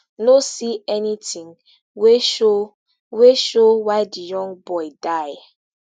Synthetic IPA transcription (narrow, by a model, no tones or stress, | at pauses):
nosiɛnitĩŋ | weʃo | weʃowaɪdijɔ̃ŋbɔɪdaɪ